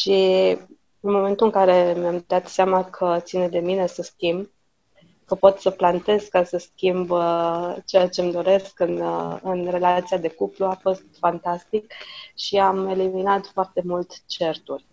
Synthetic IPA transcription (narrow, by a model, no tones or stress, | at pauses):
ʃi | ɨnmo̞me̞nt̪uɨŋkaɾe̞mjamd̪at̪seamakʰət̪sined̪e̞mine̞səskʲimb | kəpo̞t̪səplant̪e̞zkkːasəskʲimb | t͡ʃejat͡ʃe̞md̪o̞ɾe̞skɨnɨnre̞lat̪sijad̪e̞kupluafo̞st̪fant̪ast̪ik̚ʃiame̞liminat̪foart̪e̞mult̪t͡ʃe̞rt̪urʲ